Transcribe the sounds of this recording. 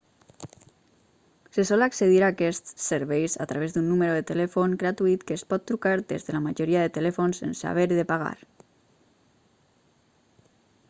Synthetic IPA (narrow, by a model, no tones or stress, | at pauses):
sesɔlakseðiɾakɛst̪seɾβɛjsa̰t̪ɾaβ̞ezd̪unːuməɾoðet̪elɛfoŋɡɾat̪uit̪kəːspɔt̪ːɾukaɾd̪ḛzðəlamaʒoɾiaðet̪elɛfonsḛnsa̰βeɾðepaɣ̞a̰ɾ